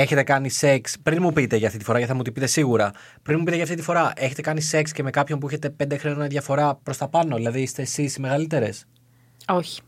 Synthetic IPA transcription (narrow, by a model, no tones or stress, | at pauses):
e̞çe̞t̪e̞kɐnise̞kspɾinmupit̪e̞ʝɐft̪it̪ifo̞ɾɐceθɐmut̪ipit̪e̞siɣuɾɐ | pɾinmupit̪eʝɐft̪it̪i̥fo̞ɾɐʔe̞çe̞t̪e̞kɐnise̞ksce̞me̞kɐpço̞mp̬ueçe̞t̪e̞pnd̪exɾeonɐðʝɐfo̞ɾɐpɾo̞st̪ɐpɐno̞ðilɐðiist̪e̞sisime̞ɣɐlit̪e̞ɾe̞s | oçi̥